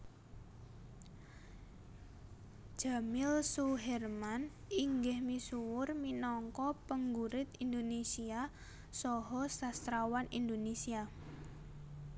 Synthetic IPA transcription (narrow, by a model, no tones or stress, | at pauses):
d͡ʒ̥a̤mɪlsuɦɛrman | iŋɡɪhmisuwʊrminɔŋkɔpəŋɡuɾɪt̪ind̪onesia | sɔɦɔsast̪ɾawanḭnd̪onesia